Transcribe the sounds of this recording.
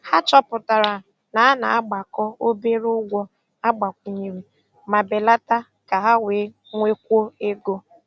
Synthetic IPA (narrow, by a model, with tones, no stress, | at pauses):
ha˦t͡ʃɔ˦pʊ˨ta˨ɾa˨ | na˨a˦na˨a˦ɡ͡ba˨kɔ˦o˦be˦ɾʊ˦ɡʷɔ˦ | a˦ɡ͡ba˨kʷu˨ɲi˨ɾe˨ | ma˨be˨la˦ta˦ | ka˨ɦa˦we˨˦ | ŋʷe˦kʷo˦e˦ɡo˦